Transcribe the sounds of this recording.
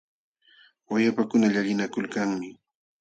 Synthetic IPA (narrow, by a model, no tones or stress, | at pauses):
wajapakʊnaʎaʎɪnakʊlkaŋmɪ